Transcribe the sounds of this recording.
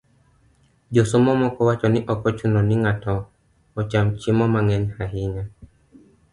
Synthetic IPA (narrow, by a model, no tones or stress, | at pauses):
d͡ʒosomɔmɔkɔwat͡ʃɔnɪʔɔkɔt͡ʃunɔnɪŋatɔː | t͡ʃamt͡ʃɪmɔmaŋɛɲhaɦɪɲa